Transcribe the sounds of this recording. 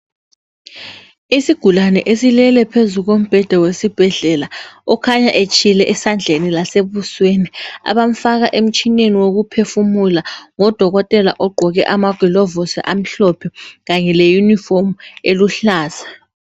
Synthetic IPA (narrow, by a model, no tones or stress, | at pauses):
isiɡ̥ʱulanɛ̰ʔesilɛlɛpʰezuɣom̩b̥ʱɛd̥ʱawesib̥ʱɛɮɛlaɔkʰaɲaʔet͡ʃʰʼilɛʔɛsand͡ɮʱenilaseβuswenia̰βam̩faɣaʔem̩t͡ʃʼʰineniwoɣupʰefumulaŋɔd̥ʱɔɣɔtʼɛla̰ʔɔɡ͡ǃʱɔɣɛʔamaɡ̥ʱɔlɔvɔsḭʔam̩ɬɔpʰɛɣaɲɛlejunifom̩eluɬaːz̥ḁ